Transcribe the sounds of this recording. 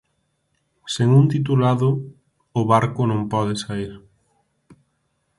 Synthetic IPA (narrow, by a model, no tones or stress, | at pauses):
seŋunt̪it̪̬ulaðʊ | ʊβaɾkʊnõmpɔð̞ɪsaiɾ